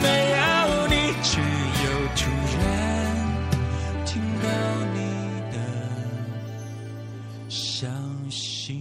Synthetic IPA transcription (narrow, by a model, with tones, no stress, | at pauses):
me˧ɪa˦˧ni˨˩t͡ɕʰy˧˩jo˨˧ʊt͡ɕʰu˧jɛ˦n | t̪ʰi˥ŋd̪ɑ˧ʊni˨d̪ə | ɕjɑ˧ŋ | ɕ | i˧